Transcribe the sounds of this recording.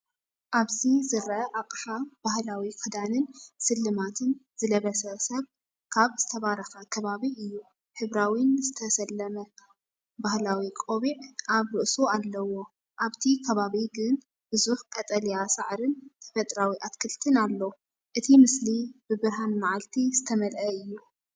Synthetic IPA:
ʔaβzizɨɾʔɐʔaqʼħab̥ahlawikʰɨd̪anɨnsɨlːɨmat̪ʰɨnzɨlɐβɐsɐsɐβ | kʰaβz̥ɨt̪ʰɐβaɾɐxɐkʰɐβaβiʔɨjːu | ħɨβɾawinzɨt̪ʰɐsɐlːɐmɐ | bahlawikʼo̞βiʕʔaβɾɨʔsualːɐwo̞ | ʔaβt̪ʰikʰɐβaβiɡɨn | b̥ɨzuħkʼɐt̪ʼɐlijasaʕɾɨnt̪ʰɐ̥fɐt̪ʼɾawiʔat̪kʰɨlt̪ʰɨnalːow | ʔɨt̪ʰimɨslibɨbɨɾɦanmaʕalt̪ʰizɨt̪ʰɐmɐlʔɐɨjːu

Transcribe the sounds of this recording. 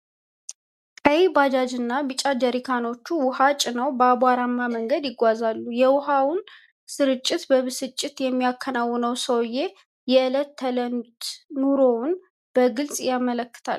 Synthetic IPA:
kʼəjebad͡ʒad͡ʒɨnːabɨt͡ʃʼad͡ʒəɾikʰano̞t͡ʃːuwʊhat͡ʃʼɪnəwbəabaɾamːaməŋɡəd̪jɪɡʷazalːujɛwʊɦawʊn | sɨɾɨt͡ʃʼːɪt̪bəβɨsɨt͡ʃʼːɪt̪jɛmːijakʰːənawːʊnəwsəwje̞ | jɛʔɨlət̪ʰːələnut̪nuɾo̞n | b̥əɡɨlsʼjamələkːɨ̥t̪ʰa̰l

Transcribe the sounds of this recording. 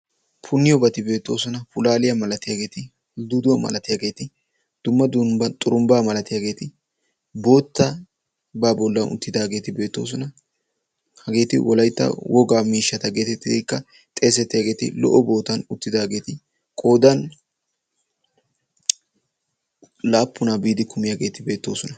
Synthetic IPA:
pʰʊnːɪjɔbɐt̪ɪbe̞ːt̪ːo̞̰ːsɔnɐfʊlaːlɪjɐmɐlɐt̪ɪjaːɡe̞ːt̪ɪ | d̪ʊd̪ʊwɐmɐ̰lɐt̪ɪjaːɡe̞ːt̪ɪ | d̪̥ʊmːɐd̪ʊmbɐt̪ʼʊɾʊmbaːmɐlɐt̪ɪjaːɡe̞ːt̪ɪ | bo̞ːt̪ːɐ | baːbɔlːɐnʔʊ̰t̪ːɪd̪aːɡe̞ːt̪ɪbe̞ːt̪ːo̞̰ːs̬ɔnɐ | hɐɡe̞ːt̪ɪ̰wɔlɐjt̪ːɐ̰wʔɔɡaːmiːʃːɐt̪ɐɡe̞ːt̪ɪt̪ːkːɐ | t̪ʼeːs̬ɛt̪ːɪjaːɡe̞ːt̪ɪ̰lɔ̰ʔɔbo̞ːt̪ːɐnʊt̪ːɪd̪aːɡe̞ːt̪ɪ | kʼo̞ːd̪ɐn | laːpːʊnaːbiːd̪ɪkʰʊmɪjaːɡe̞ːt̪ɪbe̞ːt̪ːo̞ːsɔnɐ

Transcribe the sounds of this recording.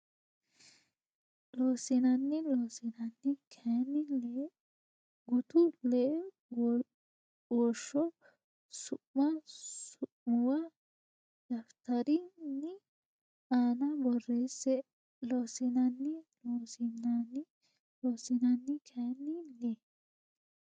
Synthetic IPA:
loːsɪnɐnːɪloːsɪnɐnːɪkʰɛnːɪle | ɡʊt̪ʊlɛ | wɔʃːɔ | sʊʔmɐsʊʔmʊwɐ | d̪ɐft̪ɐɾɪnːɪ | aːnɐbɔrːeːsːɛ | loːsɪnɐnːɪloːsɪnːanːɪ | loːsɪnɐnːɪkʰenːɪle

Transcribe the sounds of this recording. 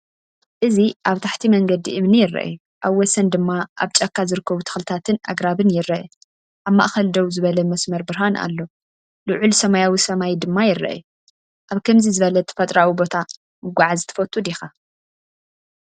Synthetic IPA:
ʔɨziʔaβt̪ʰaħt̪ʰimɐŋɡɐd̪ḭʔɨmnɨjɪrːɐ̰ʔju | ʔaβwɔsɐnd̪ɨmːaʔa̰βt͡ʃʼɐkʰːazɨɾɨkʰːɐβut̪ʰɐ̥xlɨt̪ʰat̪ʰɨnʔa̰ɡɾaβɨnjɪɾːɐʔɛ | ʔaβma̰ʔxɐld̪owzɨβɐlɐmɐsmɐɾbɨɾɦanʔa̰lːo̞ | lɨʕulsɐmajawisɐmajd̪ɨmːajɪɾːɐ̰ʔju | ʔaβkʰɐmzizɨβɐlɐt̪ʰɐ̥fɐt̪ʼɾawibo̞t̪ʰa | mɨɡʷaʕazt̪ʰɐ̥fɐt̪ʰʼːud̪ixa

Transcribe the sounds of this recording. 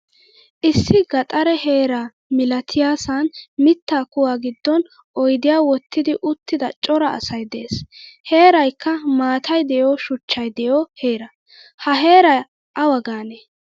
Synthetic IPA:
ʔɪsːɪɡɐt̪ʼɐɾɛhe̞ːɾa | mɪlɐt̪ʰɪjaːsɐnmɪt̪ːaːkʊwaːɡɪd̪ːɔn | ʔɔjd̪ɪjaːwɔt̪ːɪd̪ɪʔʊt̪ːɪd̪ɐt͡ʃʼɔɾɐɐ̰sɐjd̪eːshe̞ːɾɐjkːɐmaːt̪ʰɐjd̪ɛjoːʃʊt͡ʃːɐjd̪ɛjohe̞ːɾɐ | hɐɦe̞ːɾɐ | ʔɐwɐɡaːne

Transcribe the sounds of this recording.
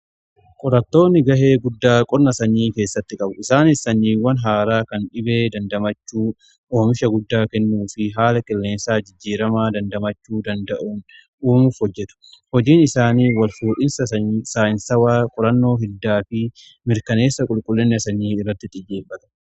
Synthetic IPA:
kʼɔɾɐt̪ːo̞ːnːɪɡɐheːɡʊd̪ːaːkʼɔɾnɐsɐɲːiːke̞ːsːɐt̪ːɪkʼɐbʊɪsaːnɪsːɐɲːiːwɐnɦaːɾaːkɐnᶑɪbe̞ːd̪ɐnd̪ɐmɐt͡ʃːuː | ʔoːmɪʃɐɡʊd̪ːaːkɛnːuːfɪɦaːlɐkʼɛlːe̞ːnsaːd͡ʒɪd͡ʒːiːɾɐmaːd̪ɐnd̪ɐmɐt͡ʃːuːd̪ɐnd̪ɐʔuːn | uːmufhɔd͡ʒːɛt̪ʊ̥hɔd͡ʒiːnɪsaːniːwɐlfuːᶑɪnsɐsaːɪnsɐwaːkʼɔɾɐnːo̞ːɦɪd̪ːaːfɪ | mɪɾkɐne̞ːsːɐkʼʊlkʼʊlːɪnːɛsɐɲːiːɪrːɐt̪ːɪt̪ʼɪjeːbɐt̪ɐ̥

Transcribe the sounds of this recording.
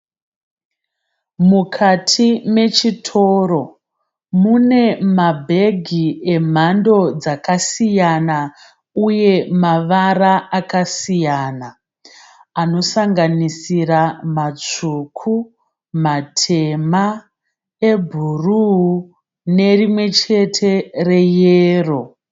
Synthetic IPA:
mukʰatʰime̞t͡ʃitʰo̞ːro̞ | mune̞mabʱe̞ɡʱiem̤ando̞d͡zakasijana | uje̞maʋaraʔakasijaːna | ano̞saŋɡanisiramat͡ʂukʰu | matʰe̞ma | ebʱuruu | ne̞rimwe̞t͡ʃe̞tʰe̞re̞jeːro̞

